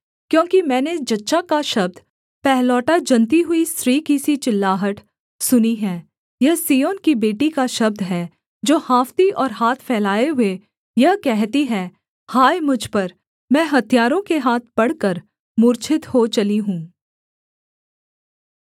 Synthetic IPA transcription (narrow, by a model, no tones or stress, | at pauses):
kjõːkimɛ̃ːned͡ʒɐtːʃakaʃɐb̚d̪ | pɛɦlɔːʈad͡ʒɐnt̪iɦʊisɾiːkisit͡ʃɪlːaːɦəʈ | sʊniɦɛ̃ː | jɐsiːoːnkibeːʈikaʃɐb̚d̪ʱɦɛː | d͡ʒoːhaːft̪iʔɔːɾɦaːt̪ʰpʰɛːlaːeɦʊe | jɐɦkɛɦt̪iɦɛː | haːjmʊd͡ʒʱpɐɾ | mɛ̃ːɦɐt̪ʰijaːɾõkeɦaːt̪̚ʰpɐɽ̤kəɾ | mʊːɾt͡ʃʰɪt̪hot͡ʃɐliɦũː